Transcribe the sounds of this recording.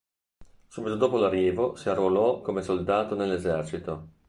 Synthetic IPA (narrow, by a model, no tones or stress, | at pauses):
suːbit̪od̪oːpolarːiːvosiarːolɔkomesold̪aːt̪onelːezɛrt͡ʃit̪o